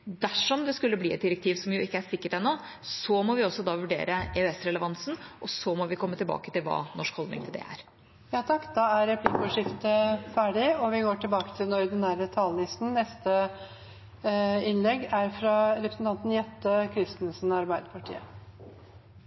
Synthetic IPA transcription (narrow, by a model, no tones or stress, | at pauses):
d̪æʂɔmd̪ɛskʉlːəbliːɛt̪̚d̪ɪɾɛk̚t̪ʰiːʋsɔmjʊɪkːəæʂɪkːəʈɛno | sɔmɔʋɪɔsːɔd̪ɑːʋʉɖḛːɾəeœɛsɾɛləʋɑnsn̩ʔɔsɔmɔʋɪkʰɔmːət̪ɪlbɑ̰ːkət̪ɪlʋɑ̰ːnɔʂkhɔld̪nɪ̰ŋt̪ɪld̪ɛ̰æ̰ːɾ | jɑːt̪ʰɑkːd̪ɑːæɾːɛpʰlikəɔʂɪft̪əfæːɖɪɔʋɪɡoːʈɪlbɑːkə̥t̪ʰɪlnɔɾd̪ɪnæːɾət̪ʰɑːllɪst̪n̩nɛst̪ə | ɪnlɛɡæɾfɾɑɾɛpɾsn̩t̪ɑnt̪n̩jɛt̪ːəkʰɾɪst̪nəsn̩ɑɾbæɪd̪əpʰɑʈʰḭːə̰